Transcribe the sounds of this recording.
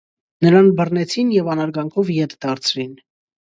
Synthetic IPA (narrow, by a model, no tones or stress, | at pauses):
nəɾɑnbərnɛt͡sʰinjɛvɑnɑɾɡɑŋkʰɔvjɛt̪ʰd̪ɑɾt͡sʰɾin